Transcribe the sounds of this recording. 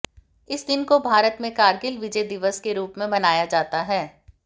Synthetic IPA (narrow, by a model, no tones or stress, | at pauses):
ɪsd̪ɪnkobʱaːɾət̪mẽkaːɾɡɪlʋɪd͡ʒəjd̪ɪʋəskeɾuːpmẽbɐnaːjad͡ʒaːt̪aɦɛː